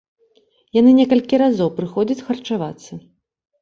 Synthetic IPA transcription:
janɨnʲɛkɐlʲkʲiɾazɔwpɾɨxɔd͡zʲɐt͡sʲxɐrt͡ʂavat̪sːɐ

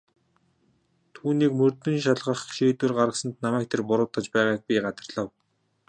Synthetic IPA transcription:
t̪ʰuːniːkmɵrt̪ɵ̆nʃ̬aɮʁə̆χʃiːt̪wɘ̆rɢaɾə̆sə̆nt̪namæːk̚t̪ʰerpʊɾʊːt̪ə̆t͡ɕpæːʁaːk̚pʲiɢat͡s̪ə̆rɮə̆w

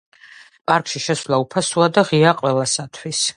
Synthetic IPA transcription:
pʼaɾkʼʃiʃɛsvlˠaupʰasuad̪aʁiaqʼwɛlˠasat̪ʰwis

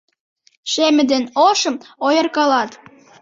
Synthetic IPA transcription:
ʃemɘ̆d̪enoʃə̆mojɤrkɑlɑt̪

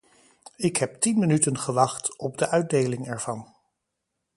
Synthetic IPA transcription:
ɪkɦɛp̚tinmənytənχəʋɑχtɔb̚dəʔœɥd̚dejlɪŋɛɹv̥ɑn

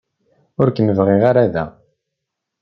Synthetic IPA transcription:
ʊɾkəməvʁiʁaɾaðæ̰

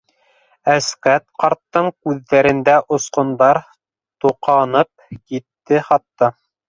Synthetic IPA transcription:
æskæt̪qɑɾt̪ːɤɴkʉðːæɾɘ̆nd̪æʔŏsqŏnd̪ɑɾ | t̪uqɑnɤp̚kit̪ːɘχɑt̪ːɑ

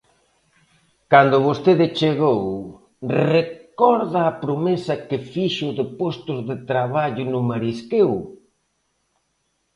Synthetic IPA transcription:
kand̪ʊβost̪eðɪt͡ʃeɣow | rekɔɾðɐːpɾomesɐkɪfiʃʊðɪpɔst̪ʊzðɪt̪ɾaβaʎʊnʊmaɾiskew

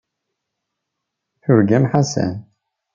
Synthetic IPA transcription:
θʊɾɡæmħasæ̰n

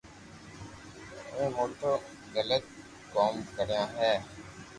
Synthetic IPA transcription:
ẽːmoːʈəɾ | ɡələt̪̚ | koːmkəɾjãːɦɛː

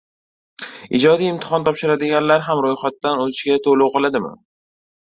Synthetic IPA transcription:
ɪ̰d͡ʒɒd̪ijɪmt̪ʰɪ̥χɒnt̪ʰɒpʃɪɾad̪ɪɡʲanlaɾɦamɾojχat̪ːanozɪʃɡʲat̪ʰolowqɨlˠad̪ɪmɪ̰

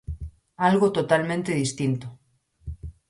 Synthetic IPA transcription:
alɣot̪ot̪almẽnt̪eðist̪int̪o

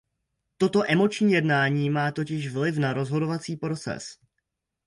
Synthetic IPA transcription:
t̪o̞t̪o̞ʔɛmo̞t͡ʃɲiːjɛdnaːɲiːmaːt̪o̞cɪʃvlɪfnaɾo̞zɦo̞do̞vat͡siːpɾo̞t͡sɛ̰s

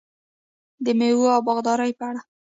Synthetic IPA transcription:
d̪əmewoawbɑɣd̪ɑɾajpəaɽa

